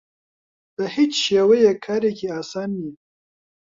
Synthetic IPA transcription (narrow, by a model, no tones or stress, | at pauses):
d̪̥əhɪt͡ʃʃewejekʰaːɾekʲeaːsaːnːi